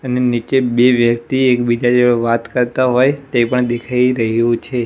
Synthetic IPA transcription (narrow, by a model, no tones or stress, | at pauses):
ənenit͡ʃebeʋjək̚t̪iekbid͡ʒad͡ʒeoʋat̪kəɾt̪aɦojt̪epəɳd̪ekʰajiɾəɦjũt͡ʃʰe